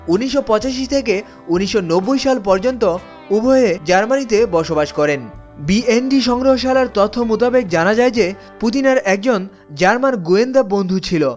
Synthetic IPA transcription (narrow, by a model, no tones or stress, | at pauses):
uniʃːopɔt͡ɕaʃit̪ʰeke | uniʃːonobːojʃalpɔɾd͡ʑont̪o | ubʱɔed͡ʑaɾmanit̪ebɔʃobaʃkɔɾen | bienɖiʃɔŋɡɾoɦoʃalaɾt̪ɔt̪ʰːomut̪abek̚d͡ʑanad͡ʑaed͡ʑe | put̪̬inaɾɛk̚d͡ʑon | d͡ʑaɾmanɡuend̪abond̪ʱut͡ɕʰilo